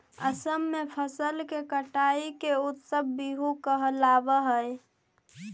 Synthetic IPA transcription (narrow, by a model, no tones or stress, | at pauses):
ə̰səmːepʰəsəlkekəʈaikeut̪səbːiɦukəɦəlabəɦəj